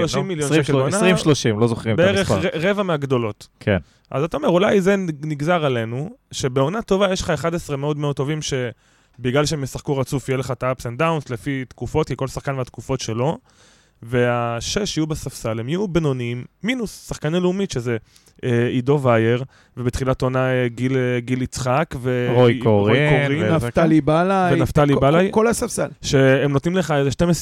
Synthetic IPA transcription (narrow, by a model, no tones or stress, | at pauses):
ʃlloʃimːiljonʃekelnaʃloʃimlozoχʁimbeeʁeχeʁevameaɡdo̞lo̞tkʰḛn | ʔa̰zat̪aome̞ʁulajzeniɡzaʁale̞nuʃe̞beo̞nato̞vajeʃleχaeχadesʁemeodmeod̚t̪ːo̞vimʃe̞ | biɡlalʃeemesaχkuʁat͡sufjeleχataapsentdaunslefit̪kufo̞t̪̚kiko̞lsaχkanveat̪kufo̞tʃe̞lo̞ | ve̞aʃeʃajubesafsalhemjjubno̞nimːinusːaχkaneleumitʃe̞ze | ʔeido̞vajeʁ | vebet̪χilatonaeɡilɡilit͡sχakveʁokoʁoijkoʁimnatalibalavenaft̪alibalajkolasafsalʃeemnotnimleχaezeʃte̞mes